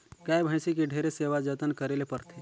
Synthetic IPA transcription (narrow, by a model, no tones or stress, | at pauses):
kajbʱə̃sikiɖʱeɾeseʋad͡ʒət̪ənkəɾelepəɾt̪ʰe